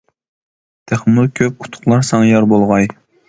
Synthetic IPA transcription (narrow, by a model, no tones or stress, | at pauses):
t̪ʰæχmulˠkʲʰøp̚ʰʊ̥t̪ʰʊ̥χlˠɑɾsɑŋjɑɾbolˠʁɑj